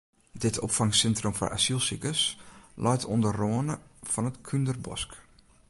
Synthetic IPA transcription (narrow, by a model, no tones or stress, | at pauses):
dɪtʰɔ̰pfɑŋsɛntromfɔ̰rʔa̰silˠsikəslʔɔjtʰondəroənəfɔnətkʰyndərbɔ̰sk